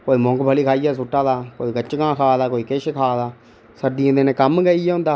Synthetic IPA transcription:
koːiːmɔ̃ːŋkbʱəliːkʰaːijaːs̬ʊʈːaːd̪aːkoːiːkət͡ʃɡãːkʰaːd̪aːkoːiːkeʃkʰaːd̪aː | səɖiãːd̪eːnẽːkəmɡəijɛːɦʊ̃nd̪aː

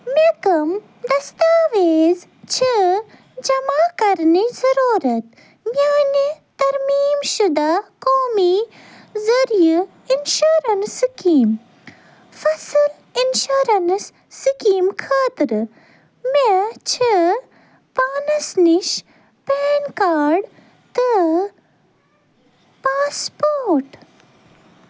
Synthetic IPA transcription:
mekɐm | d̪ɐst̪aːʋeːz | t͡ʃʰi | d͡ʒɐmaːkɐɾnizɐɾoːɾɐt̪ | mjaːnit̪ɐɾmiːmʃud̪akoːmi | zɐɾijɨ | inʃoɾɐnsikiːm | fɐsɨl | inʃuɾɐnsː | ikiːmkʰaːt̪ɾ | met͡ʃʰə | paːnɐsniʃ | peːnkaːɾɖ | t̪ɨ | paːspoːɾʈ

